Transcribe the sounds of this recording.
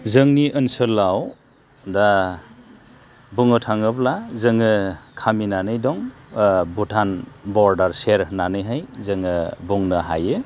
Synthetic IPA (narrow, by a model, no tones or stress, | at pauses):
zɯŋniʔɯnsɯlːaw | da | buŋɯtʰaŋɯblazɯŋɯkʰaminanɯjdɔŋ | butʰanbɔɾdaɾseɾnanɯjɦajzɯŋɯbuŋnɯɦa̰jɯ